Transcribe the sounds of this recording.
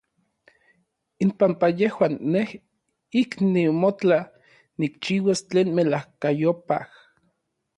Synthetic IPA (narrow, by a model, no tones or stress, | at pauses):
impampajehwaːnːeh | iknimot͡ɬa | nikt͡ʃiːwast͡ɬeːnmelahkajopa̰h